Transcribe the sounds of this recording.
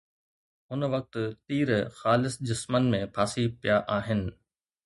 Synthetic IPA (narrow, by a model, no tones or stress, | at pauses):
ɦʊnʋɐk̚t̪t̪iːɾxaːlɪsd͡ʑɪsmənmẽpʰaːsipijaʔaːɦɪnɪ̆